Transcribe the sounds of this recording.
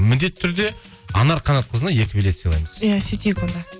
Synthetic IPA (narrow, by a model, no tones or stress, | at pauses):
mɪnd̪e̞t̪ʰːʏɾd̪e̞ | ɑ̰nɑɾqʰɑnɑt̪̚qʰəzənɑje̞kʲɪbele̞t̪səjlˠɑjməz̥jasit̪ekolˠd̪ɑ